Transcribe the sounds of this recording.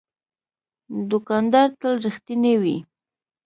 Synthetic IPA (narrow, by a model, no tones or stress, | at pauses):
d̪ʊkɑnd̪aɾt̪əlɾɪxt̪inewḭ